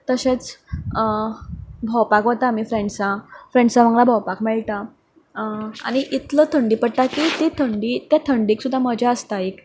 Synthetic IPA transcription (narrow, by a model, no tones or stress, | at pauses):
t̪əɕet͡s | bʱəwpakɦot̪amifɾeɳɖsãfɾẽɳɖsãʋə̃ŋɡlabʱəwpakmɛɭt̪a | a̰ɽ̃iʔit̪lət̪ʰəɳɖiːpəɽ̚t̪akiːt̪et̪ʰəɳɖiːt̪jat̪ʰəɳɖiːksud̪ʱːaməd͡ʑʱaəst̪aek